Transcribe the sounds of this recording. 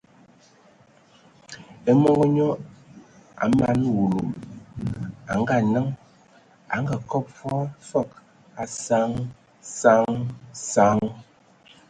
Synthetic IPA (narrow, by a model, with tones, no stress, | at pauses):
e˨mo˦ŋɡo˦ɲɔ˦ | a̰˨ma˨˦nwu˨lo˨m | a̰˨ŋ˦ɡa˦˨nə˦ŋ | a̰˨˦ŋɡa˨kɔ˦p̚fɔ˦fɔ˦˨k | a˨sa˦ŋ | sa˦ŋsa˦ŋ